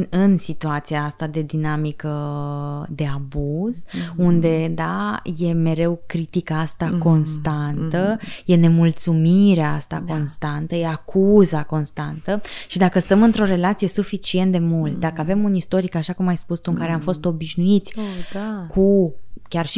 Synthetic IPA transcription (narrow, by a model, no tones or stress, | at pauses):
ɨnsit̪uat̪siaast̪ad̪e̞d̪inamikə | d̪e̞abuz̥und̪e̞d̪aje̞me̞ɾe̞wkɾit̪ikaast̪ako̞nst̪ant̪əje̞ne̞mult̪sumiɾeaast̪ako̞nst̪ant̪əje̞akʰuzako̞nst̪ant̪əʃid̪akəst̪əmɨnt̪ɾo̞ɾe̞lat̪sije̞sufit͡ʃie̞nt̪̚d̪e̞mult̪̚d̪akəave̞munist̪o̞ɾikaʃakumajspust̪uɨŋkaɾe̞amfo̞st̪o̞biʃnuit̪sʲakʰukʲarʃi